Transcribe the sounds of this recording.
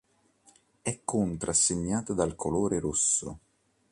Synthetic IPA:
ɛkːʊnt̪ɾasːeɲːaːt̪ad̪alkʰoloːɾeɾusːo̰

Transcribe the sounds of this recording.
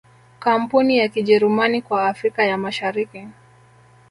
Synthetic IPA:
kam̩punijakiʄɛɾumanikwaːfɾikajamaʃaɾiki

